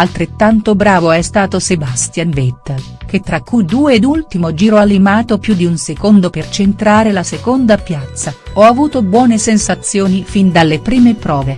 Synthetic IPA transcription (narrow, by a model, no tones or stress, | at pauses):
alt̪ɾet̪ːant̪obɾaːvoɛst̪aːt̪osebast̪janvet̪ː | k̟et̪ːɾakːujd̪uːeːd̪ult̪imod͡ʒiːɾoalimaːt̪opjud̪iunsekond̪opert͡ʃent̪ɾaːɾelasekond̪apjat̪sːaɔavuːt̪obwɔːnesensat̪sːjoːnifind̪alːepɾiːmepɾɔːve